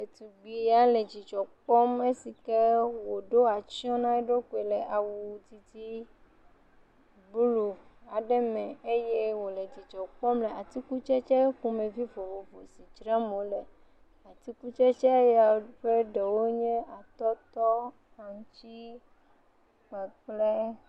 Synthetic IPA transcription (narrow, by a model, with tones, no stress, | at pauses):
e˨t̪u˨ɡ͡bi˨ja˦le˨d͡ʑi˨t͡ʃɔ˨k͡pɔ˦me˦si˨ke˦wo˨ɖo˦a˨t͡ʃi˦ɔ̃˦nã˦e˦ɖo˦ku˨e˨lɛ˨ʔa˨wu˨˦t̪i˦t̪i˦ | bu˦lu˨a˨ɖɛ˦mɛ̃˨e˦je˦wo˨le˨d͡ʑi˨t͡ʃɔ˨k͡pɔ˦mlɛ˨a˨t̪i˦ku˦t͡ʃɛ˦t͡ʃɛ˦ku˦mẽ˨vi˦vo˨vo˨vo˨si˨t͡ʃɾã˦mõ˨lɛ˨ | a˨t̪i˦ku˦t͡ʃɛ˦t͡ʃɛ˦ja˨ɸe˦ɖe˨wo˦ɲɛ̃˦ʔa˨t̪ɔ˦t̪ɔ˦ | a˨ŋu˨t͡ɕi˦ | k͡pɛ˨k͡ple˦